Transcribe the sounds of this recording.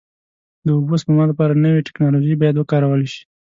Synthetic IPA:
d̪əubosəmɑlapɑɾanəweʈɪ̥knɑloʒejbɑjad̪wəkɑɾawəleʃi̥

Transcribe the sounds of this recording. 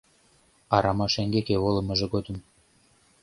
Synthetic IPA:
ɑɾɑmɑʃeŋɡekeβolɤ̆mɤ̆ʒĕɡod̪ə̆m

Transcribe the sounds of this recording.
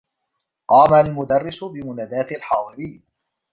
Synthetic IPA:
qɑːmalmʊd̪ɑrːɪsʊbɪmʊnaːd̪aːt̪alħɑːd̪ˤɨɾiːn

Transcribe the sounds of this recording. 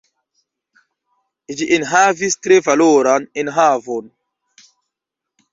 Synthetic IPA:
d͡ʒiʔenɦavistɾevaloɾanenɦavon

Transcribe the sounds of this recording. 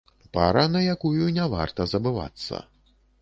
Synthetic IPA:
paɾɐnɐjakujunʲɛva̰rt̪ɐzɐbɨva̰t̪sːɐ̰

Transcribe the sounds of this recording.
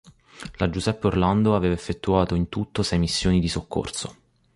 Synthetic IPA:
lad͡ʒuzɛpːeorland̪oaveːvaefːet̪ːuaːt̪oint̪ut̪ːosɛjmisːjoːnid̪isokʰːo̰rso

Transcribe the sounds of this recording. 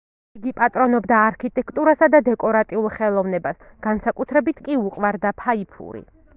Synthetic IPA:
iɡipʼat̪ʼɾɔnɔbd̪aːɾkʰit̪ʼɛkʰt̪ʼuɾasad̪ad̪ɛkʼɔɾat̪ʼiulˠχɛlˠɔvnɛbasɡ̥ansakʼut̪ʰɾɛbit̪ʰkʼiuqʼvaɾd̪apʰaipʰṵɾḭ

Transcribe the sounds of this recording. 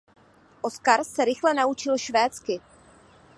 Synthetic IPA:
ʔoskaɾsɛɾɪxlɛnaut͡ʃɪlʃvɛːt͡skɪ

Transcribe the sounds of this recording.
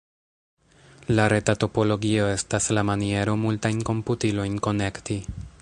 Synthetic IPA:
laɾe̞tato̞po̞lo̞ɡio̞e̞staslamanie̞ɾomultajnko̞mputilo̞jnko̞ne̞kti

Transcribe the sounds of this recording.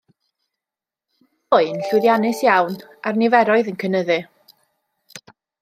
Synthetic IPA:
ʊɨnɬɨðjanɨsjawnarnɪvɛɾɔɨðənkʰənəðɨ

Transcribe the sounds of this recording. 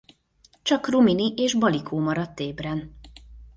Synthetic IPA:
t͡ʃɒkruminiʔeːʒbɒlikʰoːmɒɾɒt̪ːeːbrɛn

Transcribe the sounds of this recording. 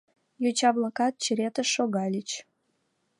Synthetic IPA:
jut͡ɕɑblakɑt̪̚t͡ɕəɾʲet̪ə̆ʃoɣɑlʲit͡ɕ

